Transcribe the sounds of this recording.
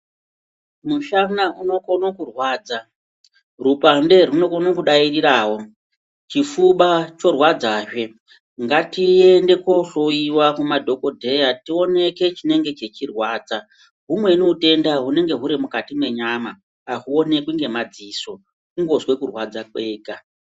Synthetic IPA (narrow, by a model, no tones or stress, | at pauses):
muʃanauno̞konokurwaːd͡za | rupande̞runo̞konokuɗairiɾaːwo̞ | t͡ʃifuɓat͡ʃo̞rwad͡zaːʐe̞ | ŋɡatie̞nde̞ko̞ɬo̞iwakumadʱo̞ko̞dʱe̞jatio̞ne̞ke̞t͡ʃine̞ŋɡe̞t͡ʃe̞t͡ʃirwaːd͡za | ɦumwe̞noute̞ndaɦune̞ŋɡe̞ɦuɾimukatimwe̞ɲamaː | ɦuo̞ne̞kwiŋɡe̞mad͡ziso̞ | uŋɡo̞zwe̞kurwad͡zakweːka